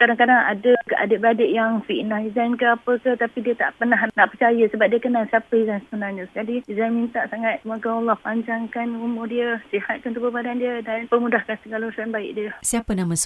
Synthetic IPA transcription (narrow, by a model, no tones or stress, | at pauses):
kaɾaŋkadaŋa̰dəkəʔa̰dəbəɾadəʔjaŋfiʔnahizankəapəkəht̪apidiət̪a̰ʔpərnaɦnaʔpərt͡ʃajəsəbap̚diəkənaŋsiapəizansəbənarɲəd͡ʒadiizanmint̪aʔsaŋat̪̚makəɔlːɔhpaɲd͡ʒaŋkanumʊrdiəsihat̪̚kant̪ubəbadandiədanpəmudahkansəɡalusanbaɪ̰ʔdiəsiapənamãs